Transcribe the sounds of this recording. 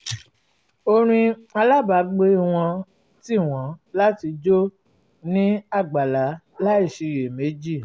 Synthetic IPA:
o˧ɾ̃ĩ˧a˧la˦ba˨˦ɡ͡be˦˨w̃ɔ̃˧ | ti˦˨w̃ɔ̃˨˦la˦ti˧d͡ʒo˦ | nĩ˦a˦˨ɡ͡ba˨la˨˦ | la˦i˦˨ʃe˨˧˨je˨me˨˦d͡ʒi˦˨

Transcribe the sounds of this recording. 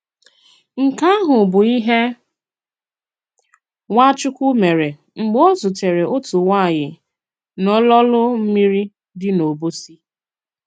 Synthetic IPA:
ŋ̩˨ka˦ɦʊ˨bʊ˨i˦ɦe˦ | ŋa˦t͡ʃʊ˦kʷʊ˦me˨ɾe˨ | ŋ͡m̩˨ɡ͡bɔ˦zʊ˨te˨ɾe˨ʔo˦tu˨ŋʷa˦˨ɲɪ˨ | nɔ˦lɔ˦lʊ˦m̩˦mi˦ɾi˦ | dɪ˦no˨bo˦si˦

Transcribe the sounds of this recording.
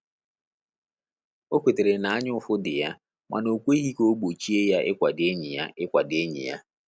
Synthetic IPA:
o˦kʷe˨te˨ɾe˨na˨a˦ɲʊ˦fʊ˦dɪ˨ja˦ | mʔa̰˨no˨kʷe˦ɦi˦ko˦ɡ͡bo˨t͡ʃi˦e˦ja˦ʔɪ˦kʷa˨dɪ˦e˦ɲɪ˨ja̰˦ɪ˦kʷa˨dɪ˦e˦ɲḭ˨ja̰˦

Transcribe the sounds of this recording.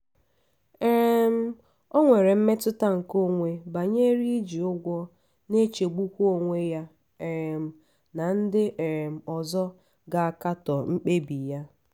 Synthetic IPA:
e˨ɾe˨m̩˦ | ɔ˦ŋʷe˨ɾe˨m̩˦me˦tʊ˦ta˦ŋ̩˨ko˦˨ŋʷe˦ba˨ɲe˦ɾi˦i˦d͡ʒi˨ʊ˦ɡʷɔ˦ | ne˦t͡ʃe˨ɡ͡bu˦kʷo˦˨ŋʷe˦ja˦ | e˨ɾe˨m̩˨ | na˨n̩˦dɪ˦ʔe˨ɾe˨m̩˨ɔ˨zɔ˦ | ɡa˨a˨ka˦tɔ˨ŋ͡m̩˦k͡pe˦bi˨ja˦

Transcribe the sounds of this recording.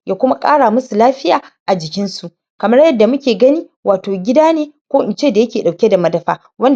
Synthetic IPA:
jʔaː˦kʷʊ˦ma˦kʼa̰ː˦ɽaː˨mʊ˦su˨laː˦ɸɪ˦jaː˨ʔa˨d͡ʒɪ˨kʲɪ˦nsu˨ʔ | kɐ˨mɐ˦rjɐ˦dːa˨mʊ˦kʲeː˨ɡɐ˦niː˦ | waː˨toː˨ɡʲɪ˦daː˦neː˨kʷoː˦ʔɪ˨nt͡ʃeː˦˨da˨jɐ˦kʲeː˨ɗa˨kʲe˦da˨mɐ˦dɐ˨ɸa̰ː˦ | wɐ˦n

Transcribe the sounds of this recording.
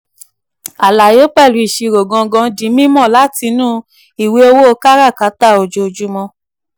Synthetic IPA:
a˨la˨jo˨˦k͡pɛ˦˨lu˨˧i˨ʃi˧ɾo˨ɡɔ̃˧ɡɔ̃˧˦dĩ˨˦mĩ˦mɔ̃˦˨la˨˦ti˧nũː˦˧ | i˨we˨˦o˧wo˦o˧˦ka˦ɾa˦˨ka˨˦ta˦˨o˧d͡ʒo˧d͡ʒu˦mɔ̃˧

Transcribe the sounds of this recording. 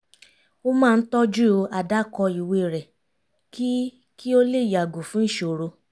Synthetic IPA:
o˦mãː˦˧n̩˦tɔ˦d͡ʒu˦o˧a˨da˦˨kɔ˧i˨we˧˨ɾɛ˨ | ki˦ | ki˦o˦le˦˨ja˨ɡu˨fũ˦n̩˦ʃo˨ɾo˧

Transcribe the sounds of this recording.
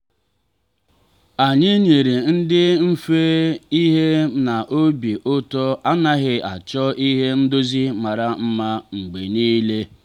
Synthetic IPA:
a˨ɲɪ˦ɲe˨ɾe˨n̩˦dɪ˦m̩˦fe˦i˦ɦe˦na˨ʔo˦bi˨ʔʊ˦tɔ˦a˦na˦ɣɪ˦a˨t͡ʃɔ˦i˦ɦe˦n̩˦do˦zi˦ma˨ɾa˨m̩˦ma˦ŋ͡m̩˨ɡ͡be˨niː˦le˦

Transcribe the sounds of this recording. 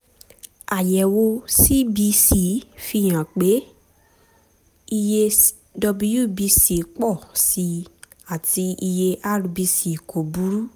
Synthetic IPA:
a˨jɛ˨wo˧si˦bi˧˦si˨˦fi˧˨j̃ã˨k͡pe˨˦ | i˧je˧ | dɔ˧bu˧ju˦˨bi˧˦si˨k͡pɔ˦˨si˧ | a˨ti˧i˧je˧ʔa˦ɾu˧bi˧si˨kʰo˨bu˦ɾu˦

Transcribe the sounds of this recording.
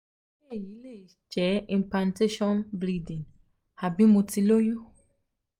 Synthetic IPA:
ɛ˦ji˦le˦˨ | d͡ʒɛ˨˦ĩ˨mplã˨nte˦ʃɔ̃˦nbɾi˦dĩ˨ŋ | ha˨bĩ˦mo˨ti˨lo˦ju˦

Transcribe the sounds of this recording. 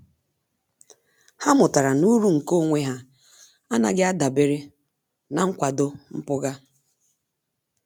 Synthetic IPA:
ha˦mʊ˨ta˨ɾa˨nu˦ɾu˦ŋ̩˨ko˦˨ŋʷe˦ɦa˦ | a˦na̰˨ɡɪ˦a˦da˨be˨ɾe˦ | na˨ŋ̩˦kʷa˨do˦m̩˦pʊ˦ɡa˦

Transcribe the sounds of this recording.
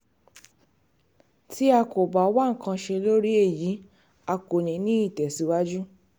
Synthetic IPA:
ti˦a˧ko˨ba˨˦wa˦ŋ̩˨kã˧ʃe˧lo˦ɾi˦e˦˨ji˨˦ | a˧ko˨nĩ˨˦nĩ˦i˦˨tɛ˨si˨˦wa˦d͡ʒu˦

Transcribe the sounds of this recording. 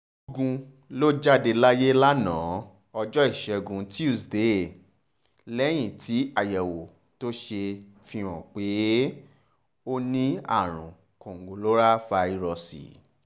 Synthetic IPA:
o˧ɡũ˧ | lo˦d͡ʒa˦de˧la˦je˦la˦nã̰ː˨˦ | ɔ˧d͡ʒɔ˦i˦˨ʃɛ˧ɡũ˧ti˦u˦˨sde˨˦˨ | lɛ˦j̃ĩ˦˨tʰi˨˦a˦˨jɛ˨wo˨ | to˦ʃe˧ | fĩ˧w̃ɔ̰̃˨k͡pe˨˦ | o˦nĩ˦a̰˦˨ɾ̃ṵ̃˨ | kõ˨ŋ˨ɡo˨lo˦ɾa˦fa˧i˧ɾɔ˧sḭ˨

